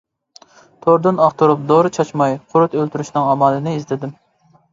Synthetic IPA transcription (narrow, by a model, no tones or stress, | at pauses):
t̪ʰoɾd̪ɨnɑχt̪ʰuɾup̚d̪oɾɨt͡ʃʰɑt͡ʃmɑjqʰʊɾʊt̪ølt̪ʰyɾyʃnɪŋɑmɑːlˠɨnɪizlɪd̪ɪm